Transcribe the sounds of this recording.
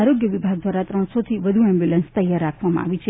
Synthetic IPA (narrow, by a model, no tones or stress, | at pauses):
aɾoɡjəʋibʱaɡ̚d̪ʋaɾat̪ɾəɳ̃sot̪ʰiʋəd̪ʱuɛmbjulənst̪əjaɾːakʰʋamã̰a̰ʋit͡ʃʰe